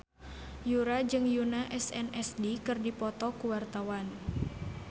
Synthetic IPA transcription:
juɾad͡ʒɨŋjunaʔɛsɛnɛsdikɨrdipɔt̪ɔkuwart̪awan

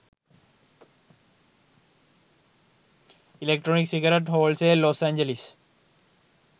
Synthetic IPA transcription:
ilekʈɾɔːniksiɡaɾeʈɦoːlseloːsæ̃ɲd͡ʒelis

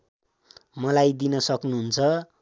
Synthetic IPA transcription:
mʌlajd̪inʌsʌknuɦunt͡sʰʌ

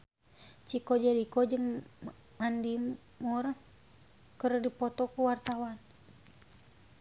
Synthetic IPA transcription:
t͡ʃikɔd͡ʒaɾikɔd͡ʒɨŋ | mandim | mur | kərdipɔt̪ɔkuwart̪awan

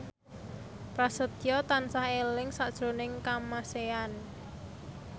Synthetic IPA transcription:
pɾasət̪jɔt̪ansahelɪŋsaʔd̥ʒ̥ɾo̤nɪŋkamasean

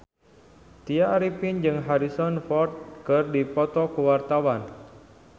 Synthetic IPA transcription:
t̪iaɾipind͡ʒɨŋɦaɾisɔnfɔrt̪̚kərdipɔt̪ɔkəwart̪awan

